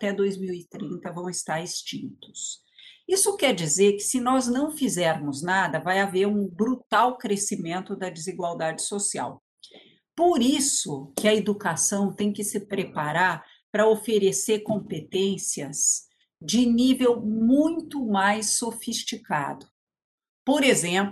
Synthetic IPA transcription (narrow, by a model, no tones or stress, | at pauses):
at̪ɛd̪ojzmiwit̪ɾĩnt̪ɐvɐ̃w̃ɪst̪aɾɪst͡ʃĩnt̪ʊ̥s | isʊkɛɾd͡ʒizeɾkɪ̥sɪnɔznɐ̃w̃fizɛɾmʊznad̪ɐvajaveɾũbɾut̪awkɾesimẽnt̪ʊd̪ɐd͡ʒɪziɡwawd̪ad͡ʒɪsosia̰w | poɾisʊkɪɐed̪ukasɐ̃w̃t̪ẽj̃kɪsɪpɾepaɾaɾ | pɾɐofeɾeseɾkõpet̪ẽsiɐz | d͡ʒɪnivewmũj̃t̪ʊmajsːofist͡ʃika̰d̪ʊ | poɾezẽp